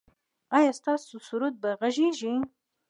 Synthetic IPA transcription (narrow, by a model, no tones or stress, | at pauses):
ajɑst̪ɑsusuɾut̪̚baɣaʒiʒi